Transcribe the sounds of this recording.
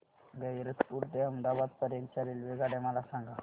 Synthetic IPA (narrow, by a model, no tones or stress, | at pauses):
ɡəiɾət̪puɾʈd̪eəmd̪abad̪̚pəɾjẽnt͡ɕaɾilʋiɡaɽeməlasãŋɡa